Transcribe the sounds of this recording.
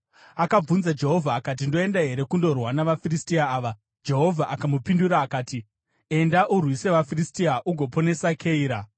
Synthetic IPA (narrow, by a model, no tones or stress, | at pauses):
akab͡vunzad͡ʒe̞ɦo̞vʱaːkat̬indo̞e̞ndaɦe̞ɾe̞kundo̞rwanaʋafiristiaːʋa | d͡ʒe̞ɦo̞vʱaʔakamupinduɾaːkaːti | e̞ndaʔurwise̞ʋafiristiaʔuɡʱo̞po̞ne̞sakʰeiːɾa